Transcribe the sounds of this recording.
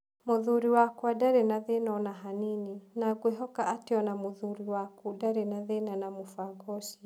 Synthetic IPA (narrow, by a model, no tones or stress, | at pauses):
moðuɾiwakwadaɾenaðenɔnaɦanininaɡweɦɔkaʔateɔnamoðuɾiwakudaɾenaðenanamofaɡɔʃi